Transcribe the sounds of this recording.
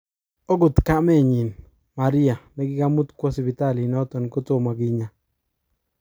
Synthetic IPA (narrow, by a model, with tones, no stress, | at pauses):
ɔ˦ɡʊ˨tka˦mɛ˦˨ɲi˨n | ma˨ɾi˦a˨mɛ˦ɡɪ˦ɡa˦mu˦tkwɔ˦si˨bi˨ta˦˨li˨nɔ˦tɔ˨nko˦tʊ˦˨ma˨ɡɪ˦ɲa˨